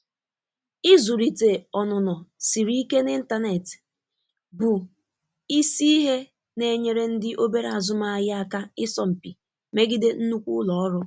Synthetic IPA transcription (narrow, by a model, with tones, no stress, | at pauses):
ɪ˦zu˨ɾi˨te˨ɔ˨nʊ˨nɔ˨si˨ɾi˦i˦ke˦nɪ˦n̩˦ta˦ne˨t | bʊ˨ | i˦si˦i˦ɦe˦ | ne˨ɲe˨ɾe˦n̩˦dɪ˦ʔo˦be˦ɾa˨a˨zʊ˦ma˨a˨jɪ˦a˦˨ka˦ɪ˦sɔ˦m̩˨pḭ˨ | me˦ɡi˦de˦n̩˦nu˦kʷu˦lɔ˨ɔ˦ɾʊ˦